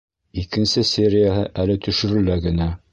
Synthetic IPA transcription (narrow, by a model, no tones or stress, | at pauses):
ikɘ̆nsɘsʲeɾʲɪjaɦɤʔælɘt̪ɵ̆ʃɵ̆ɾɘ̆læɡɘ̆næ